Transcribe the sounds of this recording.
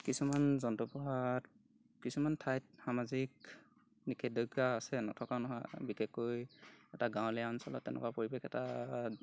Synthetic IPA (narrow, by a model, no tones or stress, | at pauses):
kisumanzɔntɔpɔɦat̚ | kisumantʰajt̚xamazik̚ | nikʰɛdɔɡaːsɛnɔtʰɔkanɔɦɔjbikɛkːojɛtaɡãw̃lɛjansɔlɔ̰tːɛnɛ̰kwapoɹibɛkɛta